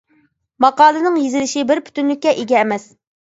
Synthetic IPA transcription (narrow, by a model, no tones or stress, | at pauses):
mɑqɑːlˠɨnɨŋjizɪlɪʃibɪɾpʰy̥t̪ynlɪkʲːɛʔeɡʲɛːmɛs